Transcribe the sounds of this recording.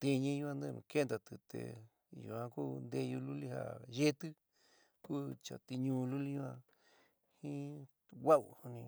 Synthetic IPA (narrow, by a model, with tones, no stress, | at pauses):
t̪i˧ɲĩ˧jũ˧ã˧d̪e˧nṵ̃˧ke˦nd̪a˧t̪ɨ˨t̪ḛ˧ | jṵ˨˧ã˧ku˦nd̪e˧ju˧lu˦li˦ha̰˦˨je˦t̪ɨ˦ | kuː˦t͡ʃa̰˨t̪i˧ɲũ˧lu˦li˦ɲũ˦ã˧ | hĩ˦ | wa˦u˧hu˧nĩ˧